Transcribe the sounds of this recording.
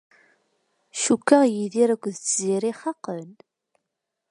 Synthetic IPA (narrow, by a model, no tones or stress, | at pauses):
ʃukːəʁjiðiɾækʷːðət͡sːziɾiχɑqən